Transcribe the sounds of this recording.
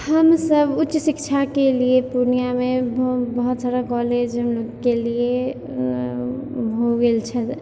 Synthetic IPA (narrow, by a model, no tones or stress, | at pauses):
həmsəbʊtːʃsikt͡ʃʰakeliepuɾnijamebbəɦut̪saɾakɔled͡ʒɦəmloɡkelie | ɦoɡelt͡ʃʰət̪